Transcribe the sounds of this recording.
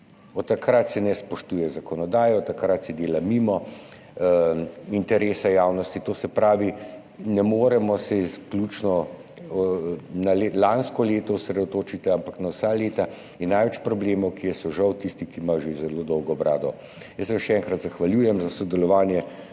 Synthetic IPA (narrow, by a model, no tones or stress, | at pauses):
ɔt̪ːakɾat̪sɛnɛspɔʃt̪uːjɛzakɔnɔd̪aːjɔt̪akɾat̪sɛd̪eːlamimɔ | int̪ɛɾeːsajaːwnɔst̪it̪oːsɛpɾaːʋi | nɛmoːɾɛmɔsɛisklʲut͡ʃnɔ | nalelanskɔleːt̪ɔusɾɛd̪ɔt̪oːt͡ʃit̪iampaknawsaleːt̪a | inːajʋɛt͡ʃpɾɔbleːmɐwkiɛsɔʒawt̪ist̪ikiːmajɔʒezɛloːd̪ɔwɡɔːbɾaːd̪ɔ | jəsːɛʃɛɛŋkɾat̪zaxʋalʲjuːjɛmzasɔd̪ɛlɔʋaːnjɛ